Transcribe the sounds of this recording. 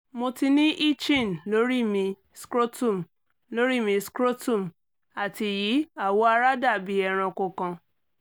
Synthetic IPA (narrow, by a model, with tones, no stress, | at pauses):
mo˧ti˧nĩ˦ʔi˦t͡ʃĩ˦˨n̩˨lo˨˦ɾi˦mĩ˧ | skɾo˦tũ˦˨m˨ | lo˨˦ɾi˦˨mĩ˧skɾo˦tũ˦˨m˨ | a˨ti˨ji˨˦a˦˨wo˦a˧ɾa˦da˦˨bi˦ɛ˧ɾ̃ɔ̃˧ko˧kɔ̃˧